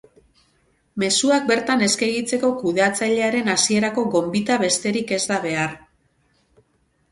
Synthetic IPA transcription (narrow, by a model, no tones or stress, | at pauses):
me̞suak̚be̞ɾt̪ane̞skeɣit͡se̞ko̞kuðeat͡saʎe̞aɾe̞nasie̞ɾako̞ɣo̞mbit̪aβe̞st̪e̞ɾike̞zd̪aβ̞e̞aɾ